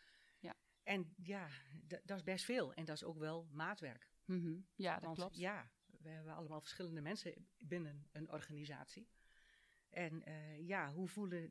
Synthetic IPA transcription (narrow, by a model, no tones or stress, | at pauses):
ɛnjadɔɪsbɛstfɪːlˠɛ̰ndɔso̰ːkʋɛlˠmaːtʋɛrk | aʋɔnjaʋəhɛbəa̰ləmaːlˠfərsχɪlˠəndəmɛnsəbɪnənənɔ̰rɣaniza̰ːsi | ʔɛnəjaɦufulˠə